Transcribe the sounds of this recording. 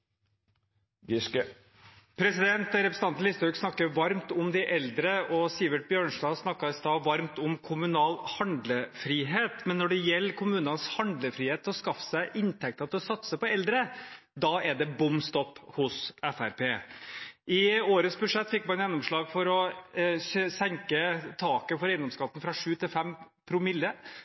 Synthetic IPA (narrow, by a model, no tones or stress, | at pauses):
pʰɾɛsɪd̪ɛnt̪ɾɛpɾsn̩ɑnnlɪst̪ɾʉːksnɑkːəɾʋɑɾmt̪ʊmd̪ɪʔɛld̪ɾəʔɔsɪʋəʈ̚bjøːɳʂd̪ɑːsnɑkːɑɪst̪ɑːʋɑɾmt̪ʊmkʰʊmʉnɑːlhɑnd̪ləfɾiːɦeːt̪mɛnːɔɖɛjɛlːkʰʊmʉːnɑnshɑnd̪ləfɾiːheːt̪ʰːlɔskɑfːə̥sæɪʔɪnt̪ʰɛk̚t̪ɑt̪ʰɛlɔsɑt̪səpɔɛld̪ɾə | d̪ɑɛɖ̪ɛbʊmst̪ɔpːhʊsɛfæɾpʰeːʔɪoːɾəsbʉʂɛt̪ːfɪkːmɑnjɛnːʊmʂɭɑːɡfɔɾɔ | sɛŋkət̪ʰɑːkəfɔɾɛɪnd̪ɔmskʰɑt̪ːn̩fɾɑʂʉːt̪ʰɪlfɛm | pʰɾʊmɪlːə